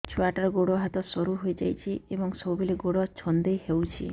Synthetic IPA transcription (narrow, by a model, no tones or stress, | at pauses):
t͡ʃʰuaʈaɾɔɡoɽɔɦat̪ɔsɔɾuɦojd͡ʒa̰jt͡ʃʰiebɔŋsɔbubʱeleɡoɽɔt͡ʃʰɔnd̪ejɦewt͡ʃʰḭ